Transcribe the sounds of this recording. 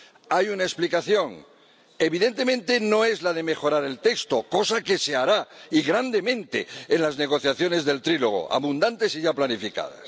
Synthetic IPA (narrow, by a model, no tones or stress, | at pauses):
ajunaesplikaθjo̞ŋ | e̞βiðe̞nt̪e̞mẽnt̪eno̞e̞zlaðe̞me̞xo̞ɾaɾe̞lt̪e̞kst̪o̞ko̞sake̞se̞aɾaiɣɾand̪e̞mẽ̞nt̪e̞̰ːnlazne̞ɣ̞o̞θjaθjo̞ne̞zðe̞lt̪ɾiloɣ̞o̞̰ʔa̰βund̪ant̪e̞siʝaplanifika̰ð̞a̰s